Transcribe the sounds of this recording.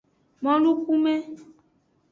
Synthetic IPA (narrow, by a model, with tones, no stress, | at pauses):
mɔ̃˦lu˦ku˦mɛ̃˦